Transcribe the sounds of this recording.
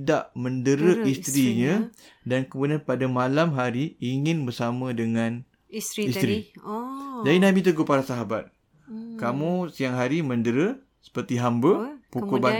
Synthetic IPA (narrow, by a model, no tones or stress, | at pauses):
daʔməndəɾəist̪ɾiɲã | dankəbudanpadamalamɦaɾiiŋɪ̃nbərsamə̃dəŋãn | ist̪ɾi | d͡ʒadinãbit̪əɡopaɾasaɦabat̪̚ | kamũsiaŋɦaɾimə̃ndəɾə | sə̥pərt̪iɦambəpukuba